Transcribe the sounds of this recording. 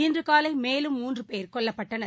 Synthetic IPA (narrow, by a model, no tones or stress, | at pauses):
ɪndrɯkaːlɐɪmeːlɯmːuːndrɯpeːɾkɔɭːɐpːɐʈːɐnɐ